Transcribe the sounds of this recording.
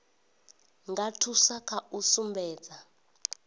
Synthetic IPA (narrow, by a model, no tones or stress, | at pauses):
ŋɡatʰusakʰausumbʱɛ̥ːd͡za